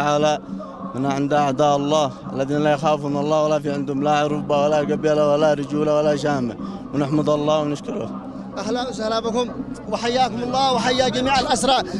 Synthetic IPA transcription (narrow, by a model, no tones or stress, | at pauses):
ʕaːla | mɪnaʕɪnd̪aʕd̪aːʔɑlˤːɑːʔa̰lːaðiːnlajaxaːwfumɪnɑlˤːɑːwalafiːʕɪnd̪ʊmlaʕʊɾˤʊbawalaɡabilawalaɾˤɪd͡ʒuːlawalaʃaːma | wɪnɪħmɑd̪ˤɑlˤːɑːwɪnɪʃkʊɾʊ̰ | ʔahlawsahlabɪkʊmwɪħajːaːkʊmɑlˤːɑːwɪħajːaːd͡ʒamiːʕalʔasɾˤɑː